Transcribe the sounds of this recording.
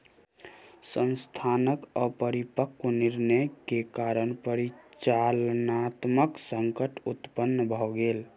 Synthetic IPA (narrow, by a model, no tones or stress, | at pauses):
sənst̪ʰanəkəpəɾipəkːoniɾnəjkekaɾənpəɾit͡ʃalnat̪məksəŋkəʈut̪pənːəbʱɔɡel